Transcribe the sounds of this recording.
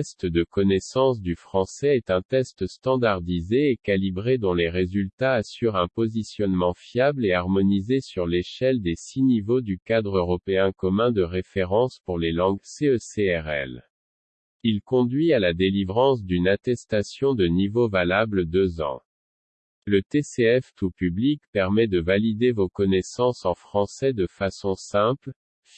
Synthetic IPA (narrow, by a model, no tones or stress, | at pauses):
ɛst̪d̪əkɔnɛsɑ̃s̬d̪yfχɑ̃sɛːt̪ɛ̃t̪ɛst̪st̪ɑ̃d̪aʁd̪izeːkalibʁed̪ɔ̃leʁezylt̪aːsyʁɛ̃pɔzisjɔnmɑ̃fjableaʁmɔnizesyʁleʃɛld̪esinivod̪ykad̪ʁøʁɔpeɛ̃kɔmɛ̃d̪əʁefeʁɑ̃spuʁlelɑ̃ɡseøseɛʁɛ̰l | ilkɔ̃d̪ɥialad̪elivʁɑ̃s̬d̪ynat̪ɛst̪asjɔ̃d̪ənivovalabləd̪øzɑ̰̃ | lət̪eseɛft̪upyblikpɛʁmɛd̪əvalid̪evokɔnɛsɑ̃sɑ̃fχɑ̃sɛd̪əfasɔ̃sɛ̃pl